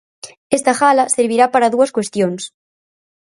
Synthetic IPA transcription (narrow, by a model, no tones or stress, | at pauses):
est̪axalaseɾβiɾapaɾaðuaskwe̞st̪jons